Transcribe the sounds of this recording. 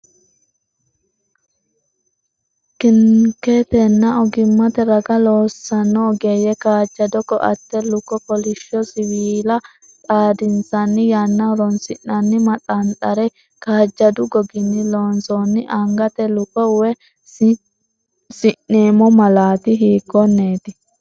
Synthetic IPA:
kɪŋket̪ɛnːɐɔɡɪmːɐt̪ɛɾɐɡɐloːsːɐnːɔːɡeːjɛkaːd͡ʒːɐd̪ɔkːɔ̰ʔɐ̰t̪ːɛlʊkɔkɔlɪʃːɔsɪwiːlɐ | tʼaːd̪ɪnsɐnːɪjanːɐɾɔnsɪnːɐnːɪmɐt̪ʼɐnt̪ʼɐɾɛ | kaːd͡ʒːɐd̪ʊɡɔɡɪnːɪlo̞ːnsoːnːɪʔɐŋɡɐt̪ɛlʊkɔwɛ | sɪnːeːmɔmɐlaːt̪ɪɦiːɡɔnːe̞ːt̪ɪ

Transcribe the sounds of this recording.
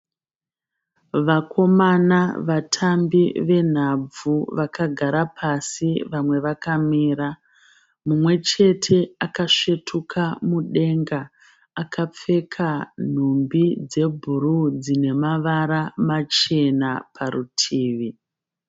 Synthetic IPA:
ʋakʰo̞manaʋatʰambiʋe̞n̤ab͡vuʋakaɡʱaɾapʰasiʋamwe̞ʋakamiːɾa | mumwe̞t͡ʃe̞tʰe̞akaʂetʰukʰamuɗe̞ŋɡaː | kʰap͡fe̞kʰan̤umbid͡ze̞bʱuɾud͡zine̞maʋaɾamat͡ʃe̞napʰaɾutʰiːʋi

